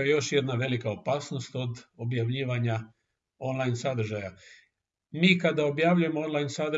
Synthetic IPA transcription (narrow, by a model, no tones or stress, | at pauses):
jejo̞ʃje̞d̪naʋe̞likao̞paːsno̞st̪o̞d̪o̞bjaʋʎiːʋaɲa | o̞nlajnsad̪r̩ʒaja | miːkad̪ao̞bjaʋʎuje̞moonlˠaːjnsad̪